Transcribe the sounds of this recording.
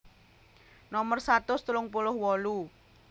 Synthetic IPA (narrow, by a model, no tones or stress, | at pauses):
nɔmərsat̪ʊst̪ulʊŋpulʊhwɔlu